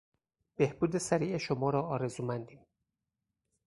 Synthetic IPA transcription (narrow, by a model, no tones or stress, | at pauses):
be̞hb̥uːd̪e̞sæɾiːʔeʃomɒːɾɒːɒːɾe̞zuːmænd̪iːm